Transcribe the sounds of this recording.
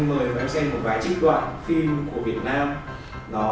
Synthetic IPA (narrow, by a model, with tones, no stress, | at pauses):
məː˨˩jva˨˦sɛ˧mo˨˩t̚vaː˨˦jt͡ɕi˦˥k̚t̪wa̰ː˧˨nfi˧mku˧˩əvi˨˩ət̚naː˧m | nɔ˨˦